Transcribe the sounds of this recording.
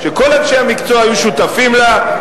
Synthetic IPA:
ʃe̞ko̞lanʃeamikt͡soajuʃut̪afimla

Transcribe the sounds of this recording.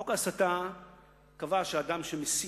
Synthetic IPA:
okasata | kavaʃeadamʃemesi

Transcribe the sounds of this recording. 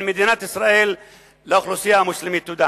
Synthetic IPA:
nmad̪iːnat̪ʔɪsɾˤɑʔiːl | laʊxlusɪjamʊslɪmit̪ːud̪a

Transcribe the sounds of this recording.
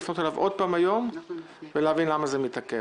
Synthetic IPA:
fnot̪alavʔo̞d̪̚paːmajo̞m | veleavinlamazemit̪ake

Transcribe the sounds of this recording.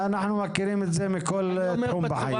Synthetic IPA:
anaħnumækːɪɾiːmɪzeːmikʊlːt̪ħuːmbɪħajː

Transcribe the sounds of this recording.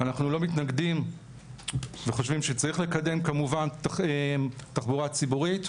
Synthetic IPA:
anaχnulo̞mitnaɡdim | veχo̞ʃvimʃet͡saʁiχle̞kade̞mkamuvantemtaχbuʁat͡sibuʁit

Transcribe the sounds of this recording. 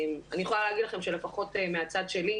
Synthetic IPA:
manijeχolaleːɡidlaχe̞mʃe̞lefaχo̞temeat͡sad̪ʃe̞li

